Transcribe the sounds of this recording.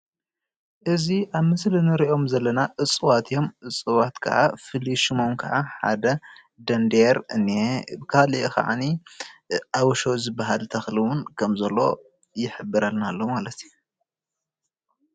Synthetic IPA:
ʔɨziʔaβmɨslinɨɾiʔo̞mzɐlːɐnaʔɨt͡sʼːɨwat̪ʰjo̞mʔɨt͡sʼːɨwat̪kʰɐ̰ʕa̰fɨliʃɨmomkʰɐʕaħa̰d̪ɐ | d̪ɐnd̪eɾɨnːiebɨkʰaliʔka̰ʕa̰ni | ʔawʃozɨbːaɦalt̪ʰɐxlɨwʊnkʰɐmzɐlːo̞̰ | jɪħɨbːɨɾalnalːomalɐt̪ʰiju

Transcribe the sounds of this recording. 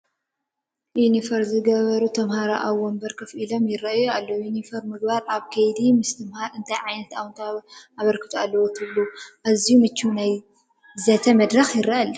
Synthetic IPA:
junifɐɾzɨɡɐβɐɾut̪ʰɐmhaɾa̰ʔawombɐɾkʰɐfʔilo̞mjɪrɐʔjualːojunifɐɾmɨɡ̚baɾʔaβkʰɐjd̪imɨst̪ʰɐmhaɾɨnt̪ʰajʕajnɐt̪awnt̪ʰaʔaβɐɾkʰɨ̥t̪ʰʼualːɐwot̪ʰɨβluʔazijumɨt͡ʃːunaj | zɐt̪ʰɐmɐd̪ɾɐxjɪɾɐʔɐl

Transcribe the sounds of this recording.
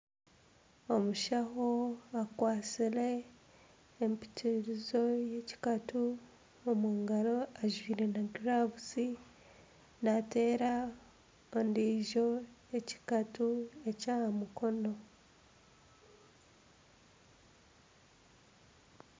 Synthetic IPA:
o̞muʃaɦoakwaːt͡sile̞ː | mpi̥tʰiɾizo̞jeci̥katu | omuːŋɡaɾo̞aʒwiːɾe̞naɡɾaβuzi | nate̞ːɾa | ondiːʒo̞jeci̥katue̞caːhamukʰo̞no̞

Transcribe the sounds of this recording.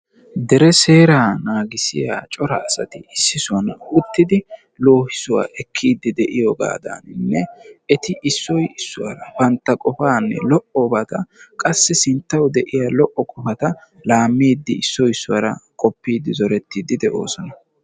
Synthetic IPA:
d̪ɛɾɛse̞ːɾaːnaːɡɪsɪjat͡ʃʼɔɾɐːsɐt̪ɪɪsːɪsʊwɐnʊt̪ːɪd̪ɪ | lo̞ːhɪsʊwa̰ːʔɛkʰːiːd̪ːɪd̪ɛʔɪjɔɡa̰ːd̪a̰nɪnːɛɛt̪ɪʔɪsːɔjɪsːʊwa̰ːɾɐbɐnt̪ːɐkʼɔfaːnːɛ̰lɔʔɔbɐt̪ɐkʼɐsːɛsɪnt̪ːɐwd̪ɛʔɪjaːlɔʔɔkʼɔfɐt̪ɐ | laːmːiːd̪ːɪɪsːɔjɪsːʊwa̰ɾɐ̰kʼɔpːiːd̪ːɪzɔɾɛt̪ːiːd̪ɪd̪ɛʔo̞̰ːsɔnɐ

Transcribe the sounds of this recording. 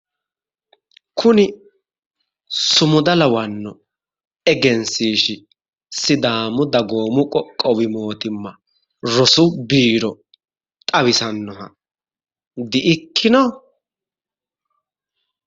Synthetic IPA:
kʰʊnɪ | sʊmʊd̪ɐlɐwɐnːɔ | ɛɡɛnsiːʃɪ | sɪd̪aːmʊd̪ɐɡoːmʊkʼɔkʼːɔwɪmo̞ːt̪ɪmːɐ | ɾɔsʊbiːɾɔ | tt̪ʼɐβɪsɐnːɔhɐ | d̪ɪʔɪkʰːɪnɔ

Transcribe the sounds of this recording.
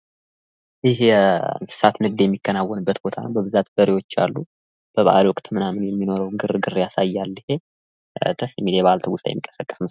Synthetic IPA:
ɪɦsɨ̥sat̪nɨɡ̚d̪jɛmːikːənawːənɨbːət̪bo̞t̪ʰa̰nəwbəβɨzat̪bəɾiwo̞t͡ʃːa̰lːu | b̥əβa̰lwɔkʼt̪ɨmɨnamɨnjɛmːino̞ɾəwŋɡɨrɡɨrjasajːalːihe | t̪ʰəsjɛmːiljɛβalt̪ʰəwʊst̪ajɛ̰mːikʼːəsəkʼːə̥smɨs

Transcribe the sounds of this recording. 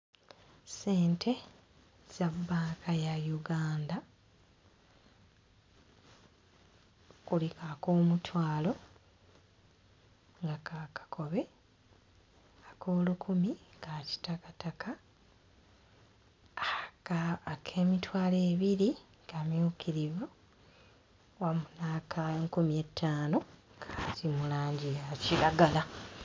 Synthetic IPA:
se̞ːntʰe̞ | z̥aβuβaːkʰajajuɡaːnda | kulikako̞ːmutwaːlo̞ | ŋɡakakḁkʰo̞βe̞ | akʰo̞ːlukʰumikaci̥takatakʰa | aːkʰe̞ːmitwaːle̞ːβiɾi | kamjuːkʰiɾivu | wamunaːkʰaeŋkumijetːaːno̞kʰḁtimulaːɲɟiaciɾaɡala

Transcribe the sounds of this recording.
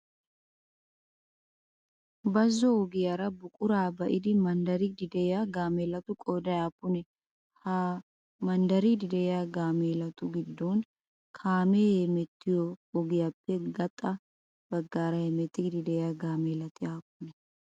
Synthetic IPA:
bɐzːɔɔɡɪjaɾɐbʊkʼʊɾaːbɐʔɪd̪ɪmɐnd̪ɐɾɪd̪ɪd̪ɛjaɡaːmeːlɐt̪ʊkʼoːd̪ɐjaːpːʊnɛ | ha | mɐnd̪ɐɾɪd̪ɪd̪ɛjjaɡaːmeːlɐt̪ʊɡɪd̪ːon | kʰaːmeːhɛmɛt̪ːɪjɔːɡɪjapːɛɡɐt̪ʼːɐ | b̥ɐɡːaːɾɐhɛmɛt̪ːɪɡd̪ɪd̪ɛjaɡaːmeːlɐt̪ɪjaːpːʊnɛ

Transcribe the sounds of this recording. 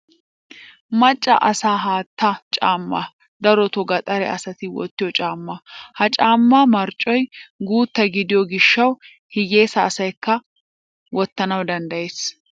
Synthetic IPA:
mɐt͡ʃʼːɐ̰ʔɐsaːɦaːt̪ːɐt͡ʃʼaːmːa̰ | d̪ɐɾɔt̪ɔɡɐt̪ʼɐɾɛ̰ɐsɐt̪ɪwɔ̰t̪ːɪjɔt͡ʃʼaːmːɐhɐt͡ʃʼaːmːaːmɐɾt͡ʃʼːɔjɡuːt̪ːɐɡɪd̪ɪjɔɡɪʃːɐw | hɪje̞ːsɐːsɐjkːɐ | wɔt̪ːɐnɐwd̪ɐnd̪ɐje̞ːs

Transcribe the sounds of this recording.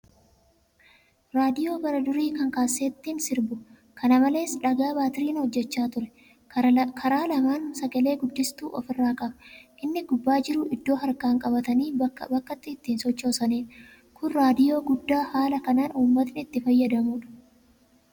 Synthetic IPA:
ɾaːd̪ɪjo̞ːbɐɾɐd̪ʊɾiːkɐŋkaːsːeːt̪ːiːnsɪɾbʊ | kʰɐnɐmɐle̞ːsᶑɐɡaːbaːt̪ɪɾiːnhɔd͡ʒːɛt͡ʃːaːt̪ʊɾɛ | kʰɐɾaːlɐmaːnsɐɡɐle̞ːɡʊd̪ːɪst̪uːʔɔ̰fɪrːaːkʼɐbɐ̥ʔɪnːɪɡʊbːaːd͡ʒɪɾʊʔɪd̪ːo̞ːɦɐɾkaːŋkʼɐbɐt̪ɐnḭːbɐkːɐt̪ːɪːt̪ːiːnsɔt͡ʃːo̞ːsɐniːᶑ | kʰʊnɾaːd̪ɪjo̞ːɡʊd̪ːaːhaːlɐkɐnaːnuːmːɐt̪nɪɪt̪ːɪfɐjːɐd̪ɐmuːᶑɐ̥

